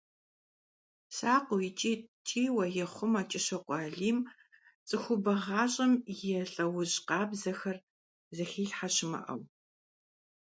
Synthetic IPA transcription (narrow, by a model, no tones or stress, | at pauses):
saːqʷʊjɪt͡ʃʼiːtʰʼiːwɐjɛχʷʊmaːt͡ʃʼɪɕɐqʷʼɑːɮiːm | t͡sʼɨxʷʊbɐʁɑːɕʼɐmjɛɬʼɐwʊɕʼqɑːbzɐxɐr | zɐxiːɬħaɕɪmɐ̰ʔɐ̰w